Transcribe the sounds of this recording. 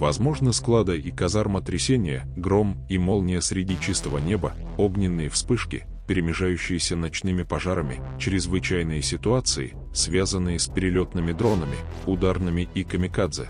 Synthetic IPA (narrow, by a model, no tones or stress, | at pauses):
vɐzmo̞ʐnəsklˠad̪əikɐzarmət̪ɾʲɪsʲenʲɪjə | ɡɾo̞mimo̞lˠnʲɪjəsɾʲɪdʲit͡ɕist̪əvənʲe̞bə | oɡnʲɪnːɨjəfspɨʂkʲɪ̰ | pʲɪɾʲɪmʲɪʐajʉɕːɪjɪsʲənɐt͡ɕnɨmʲɪpɐʐaɾəmʲɪ̰t͡ɕɾʲɪzvɨt͡ɕæjnɨjəsʲɪt̪ʊat̪sɨɪ̰ | svʲazənːɨjəsʲpʲɪɾʲɪlʲo̞t̪nɨmʲɪd̪ɾo̞nəmʲɪ̰ | ʊd̪arnɨmʲɪʔikəmʲɪkad̪zɨ̰